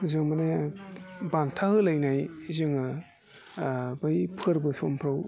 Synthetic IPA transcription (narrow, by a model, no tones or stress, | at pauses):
zɯŋmane | bantʰahɯlajnajzɯŋɯ | bɯjpʰɯɾbɯsompʰɾaw